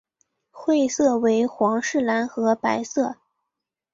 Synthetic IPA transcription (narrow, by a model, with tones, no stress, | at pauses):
xwe˥˧ɪsɤ˥˩we˧˥ɪxwɑ˧˥ŋʂɻ̩˥˩la˧˥nxɤ˧˥pa˧˥ɪsɤ˥˩